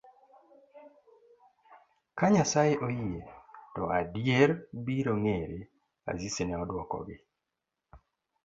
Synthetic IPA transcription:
kaɲasajɪʔojijetɔʔadjeɾbiɾoŋeɾe | a̰zisenɛɔdwɔkɔ̰ɡɪ

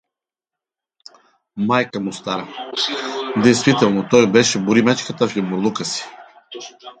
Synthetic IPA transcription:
majkəmʊst̪aɾə | d̪ɛjst̪vit̪ɛlˠnot̪ɔjbɛʃɛbuɾimɛt͡ʃkət̪əfimoɾlˠukəsi̥

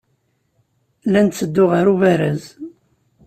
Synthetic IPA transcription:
lænt͡sːəd̪ːʊʁaɾuvæɾæz

